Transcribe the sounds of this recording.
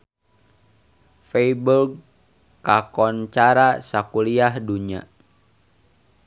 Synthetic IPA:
feiburɡ | kakɔnt͡ʃaɾasakuliahduɲa̰

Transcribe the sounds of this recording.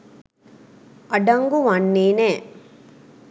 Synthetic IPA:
ʔɐɖɐŋɡuʋɐnːeːnɛː

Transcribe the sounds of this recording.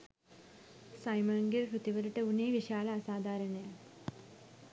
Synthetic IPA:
sɐjmɐŋɡiɾkut̪ːiʋɐɾiʈːɐuneːʋiʂaːlɐːsaːd̪ʱaːɾɐɳɐjɐ

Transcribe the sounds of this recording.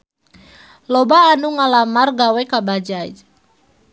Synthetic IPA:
lɔbaːnuŋalamarɡawɛkabad͡ʒa̰d͡ʒ

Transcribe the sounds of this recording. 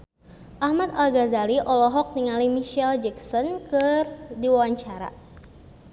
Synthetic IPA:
ʔahmat̪alɡazaliʔɔlɔɦɔk̚niŋalimiʃɛld͡ʒɛksɔnkɨrdiwawaɲt͡ʃaɾa̰

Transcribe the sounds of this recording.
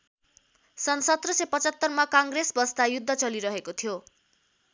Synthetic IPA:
sʌnsʌt̪rʌsepʌt͡sʌt̪ːʌrmakaŋɡresbʌst̪ajud̪ʱːʌt͡sʌliɾʌɦekot̪ʰijo

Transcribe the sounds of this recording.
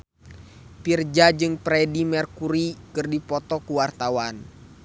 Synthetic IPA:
pird͡ʒad͡ʒɨŋpɾɛdimɛrkuɾikɨrdipɔt̪ɔkuwart̪awan

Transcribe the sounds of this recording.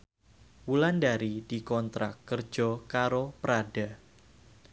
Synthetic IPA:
wulandaɾid̥ikɔnt̪ɾakːər̥d͡ʒ̥ɔkaɾopɾada

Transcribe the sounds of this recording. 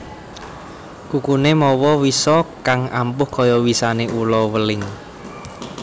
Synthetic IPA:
kukunemɔwɔwisɔkaŋampʊhkɔjɔwisaneʔulɔwəlɪŋ

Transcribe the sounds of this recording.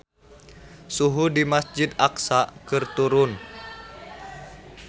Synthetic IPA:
suɦudimasd͡ʒid̪aksakɨrt̪uɾʊn

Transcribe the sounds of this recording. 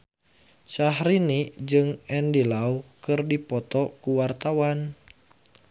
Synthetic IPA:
ʃaɦɾinid͡ʒɨŋɛndilaukɨrdipɔt̪ɔkuwart̪awan

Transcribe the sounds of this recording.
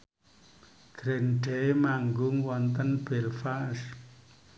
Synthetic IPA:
ɡ̥ɾenɖɛmaŋɡʊŋwɔnt̪ənb̥ɛlfas

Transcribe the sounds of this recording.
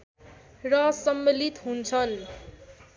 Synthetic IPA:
rʌsʌmːelit̪ɦunt͡sʰʌn

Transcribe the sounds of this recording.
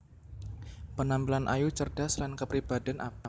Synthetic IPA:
pənambilanʔa̰jut͡ʃərd̥aslankəpɾib̥adɛnʔa̰pa

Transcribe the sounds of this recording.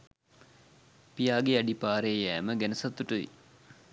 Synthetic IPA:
pijaːɡeɐɖipaːɾejæːməɡænəsɐt̪ːuʈəʋḭ

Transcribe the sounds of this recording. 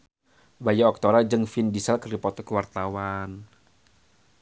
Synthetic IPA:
bajaɔk̚t̪ɔɾad͡ʒɨŋfindisalkərdipɔt̪ɔkəwart̪awan

